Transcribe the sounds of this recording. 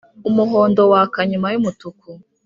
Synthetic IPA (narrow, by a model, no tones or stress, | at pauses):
umuɦo̞ːndo̞wakaɲumajumutuku